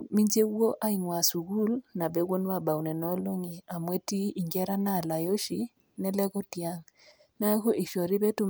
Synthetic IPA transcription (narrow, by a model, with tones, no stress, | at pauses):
mi˦ɲd͡ʒe˦wo˦ʔa˦i˨ŋwa˨su˨ɡu˦lna˨bɛ˦ɡo˦nwa˦˨ba˨wnɛ˨nɔ˦lo˦ŋi˨a˨mwe˦ti˦i˨ŋɡɛ˦ɾa˦na˦˨la˨jo˦ʃi˨ | nɛ˦lɛ˦kɔ˦tja˦ŋ | na˦ku˦ʔi˨ʃɔ˨ɾi˦bɛ˦tu˦